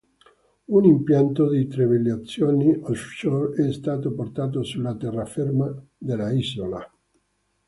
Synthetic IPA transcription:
unimpjant̪od̪it̪ɾeveljat̪sːjoːniʔofʃoɛst̪aːt̪oport̪aːt̪osulːat̪ɛrːafermad̪elːaizola

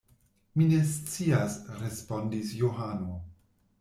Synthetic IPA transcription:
mine̞st͡siasɾe̞spo̞ndisjoɦano

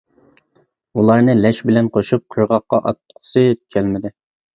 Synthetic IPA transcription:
ulˠɑɾnɨlɛʃbɪlɛnqʰoʃup̚qʰojʁɑqːɑʔɑt̪ːqʰʊ̥sɨkʲʰɛlmɪd̪ɪ

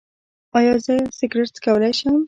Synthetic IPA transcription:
ɑjɑzəsɪɡɾeʈskawəlajʃəm

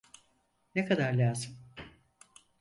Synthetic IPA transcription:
nekʰad̪aɾlʲaːzɯm

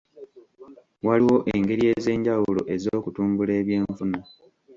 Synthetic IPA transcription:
waliwo̞ʔeŋɡe̞ɾie̞ːze̞ːɲɟawulo̞̰ʔe̞zoːkutuːmbule̞ːβje̞ːɱfuna

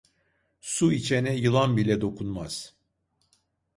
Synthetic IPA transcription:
suit͡ʃʰenɛjɯlˠanbilʲɛd̪o̞kʰunmaz̥

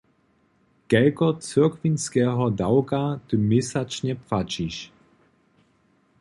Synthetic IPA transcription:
kɛlkɔt͡sɪɐkvinskɛːɦɔdawkat̪ɨmɪsat͡ʃɲɛpfat͡ʃiʃ

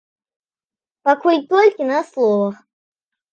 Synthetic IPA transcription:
pakujʲt̪olʲkʲinɐslˠɔvəx

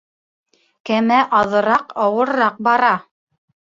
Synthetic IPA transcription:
kæmæʔɑðɤ̆ɾɑqɑwɤ̆ɾːɑq̚bɑɾɑ

